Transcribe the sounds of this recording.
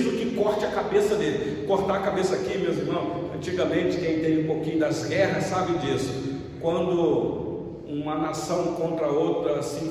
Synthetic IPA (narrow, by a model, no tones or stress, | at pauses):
zʊkɪkɔɾt͡ʃɪɐkabesɐd̪elɪ | koɾt̪akabesɐakimewzimɐ̃w̃ɐ̃nt͡ʃiɡɐmẽnt͡ʃɪ̥kẽj̃t̪ẽj̃ũpokĩɲʊd̪ɐzɡɛɦɐsːabɪd͡ʒisʊ̥ | kwɐ̃nd̪ʊ | ũmɐnasɐ̃w̃kõnt̪ɾɐowt̪ɾɐsĩ